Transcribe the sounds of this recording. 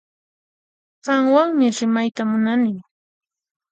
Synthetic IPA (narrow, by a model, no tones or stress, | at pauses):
ɢ̥ɑŋwaŋmɪɾɪmajt̪amʊnanɪŋ